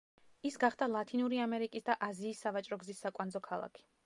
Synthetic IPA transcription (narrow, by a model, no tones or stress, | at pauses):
isɡaχd̪alˠat̪ʰʼinuɾiamɛɾikʼisd̪aʔaziːsːavat͡ʃʼɾɔɡzisːakʼwand̪zɔkʰalˠa̰kʰi̥